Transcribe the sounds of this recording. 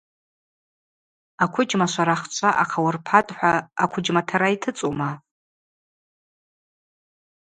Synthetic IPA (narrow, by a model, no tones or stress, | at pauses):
akʷʰʊd͡ʒmaʃʷaɾaχt͡ʃʷʰaʔaqʰawʊrpʰatʼħʷaːkʷʰʊd͡ʒmatʰaɾaitʰɨt͡sʼoma